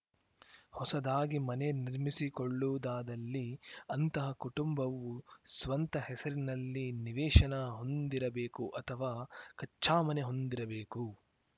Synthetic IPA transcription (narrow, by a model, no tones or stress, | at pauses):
hɔsɐd̪aːɡimɐne̞niɾmisikoɭːud̪aːd̪ɐlːiɐnt̪ɐɦɐkuʈumbɐʋːusʋɐnt̪ɐɦɛsɐɾinɐlːiniʋɛːʂɐnɐɦo̞nd̪iɾɐbeːkuʔɐt̪ʰɐʋaːkɐt͡ʃːt͡ʃːaːmɐneɦo̞nd̪iɾɐbeːku